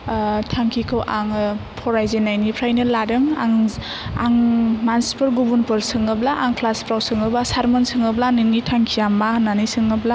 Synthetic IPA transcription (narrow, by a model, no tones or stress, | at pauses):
tʰaŋkʰikʰɯwʔaŋpʰɔɾajzenajnipʰɾajnɯladɯŋaŋ | aŋmanspʰɯɾɡubunpɯɾsɯŋɯblaʔaŋkʰlaspɾawsɯŋɯblasaɾmɯnsɯŋɯblanɯnitʰaŋkʰijamːananisɯŋɯbla